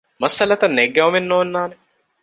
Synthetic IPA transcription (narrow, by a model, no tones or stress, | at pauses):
mɐsɐlɐt̪ɐnːeɡːɐumenːoːnːaːne